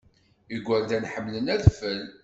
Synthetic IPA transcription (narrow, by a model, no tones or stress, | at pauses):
iɡʷːæɾd̪ænħəmːlənæðfəl